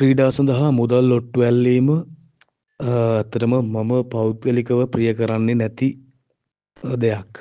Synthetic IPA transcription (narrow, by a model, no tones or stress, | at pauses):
priːɖaːsɐnd̪əɦamud̪alːoʈːuʋɛlːiːmə | æt̪ːəʈəməmaməpawt̪̚ɡəlikəʋəprijəkəɾanːenɛt̪i | d̪ejak